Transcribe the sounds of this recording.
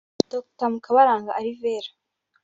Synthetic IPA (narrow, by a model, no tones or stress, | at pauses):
toktamukaβaɾaːŋɡaʔːɾiveːɾḁ